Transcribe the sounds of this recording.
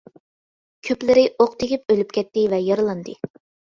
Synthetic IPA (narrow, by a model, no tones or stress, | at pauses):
kʲʰøplɪɾɪʔoqt̪ʰɪkʲip̚ølyp̚kʲʰɛt̪ːɪvɛjɑɾlˠɑnd̪ɨ